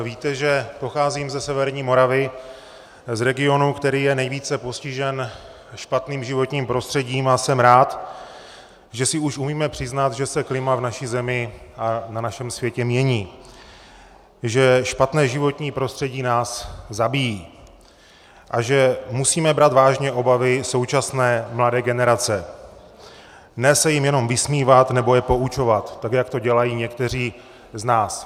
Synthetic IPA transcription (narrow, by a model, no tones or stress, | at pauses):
viːt̪ɛʒɛpo̞xaːzimzɛsɛvɛɾɲiːmo̞ɾavɪ | zɾɛɡɪo̞nukt̪ɛɾiːjɛnɛjviːt͡sɛpo̞scɪʒɛn | ʃpat̪niːmʒɪvo̞t̪ɲiːmpɾo̞st̪r̥ɛɟiːmasɛmɾaːt̪ | ʒɛsɪuʃʔumiːmɛpr̝̥ɪznat̪ʒɛsɛklɪmavnaʃizɛmɪʔananaʃɛmsvjɛcɛmɲɛɲiː | ʒɛʃpat̪nɛːʒɪvo̞t̪ɲiːpɾo̞st̪r̥ɛɟiːnaːszabijiː | ʔaʒɛmusiːmɛbɾat̪vaːʒɲɛʔo̞bavɪso̞wt͡ʃasnɛːmladɛːɡɛnɛɾat͡sɛ | nɛsɛjɪmjɛno̞mvɪsmiːvat̪nɛbo̞jɛpo̞ut͡ʃo̞vat̪ːakjakt̪o̞ɟɛlajiːɲɛkt̪ɛr̝iː | znaːs